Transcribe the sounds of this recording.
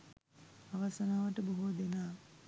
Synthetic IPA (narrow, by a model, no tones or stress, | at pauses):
aʋasənaːʋəʈəboɦod̪enaː